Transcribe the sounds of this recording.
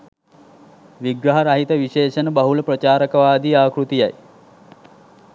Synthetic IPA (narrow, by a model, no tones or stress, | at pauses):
ʋiɡɾɐɦɐɾɐɦit̪ɐʋiʃeːʃɐnəbɐɦuləpɾɐt͡ʃaːɾɐkɐʋaːd̪iaːkɾut̪ija̰j